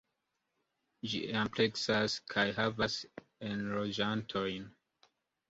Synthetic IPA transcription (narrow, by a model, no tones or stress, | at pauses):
d͡ʒḭempleksaskʰajɦavas | enɾod͡ʒantʰojn